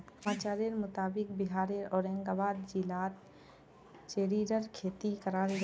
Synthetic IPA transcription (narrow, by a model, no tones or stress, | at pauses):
maːt͡ʃaːɾiəɾmʊt̪aːbɪk̚bɪɦaːɾeɔːɾɛ̃ːŋɡaːbaːd̪d͡ʒilaːt̪ | t͡ʃeːɾiːɾəɾkʰeːt̪ikəɾaːɾɡ